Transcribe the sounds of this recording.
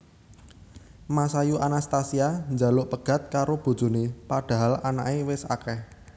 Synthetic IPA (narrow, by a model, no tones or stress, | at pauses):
masajuʔanast̪asiand͡ʒa̤lʊʔpəɡ̥a̤t̪̚kaɾob̥ṳd̥ʒ̥ṳnepaɖ̥a̤ɦalana̰ʔewɪsa̰kɛh